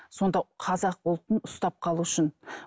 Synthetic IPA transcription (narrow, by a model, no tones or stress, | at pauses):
so̞nd̪ɑqʰɑzɑq̚ʊlˠt̪ənʊst̪ɑp̚qʰɑlˠuʏʃɪn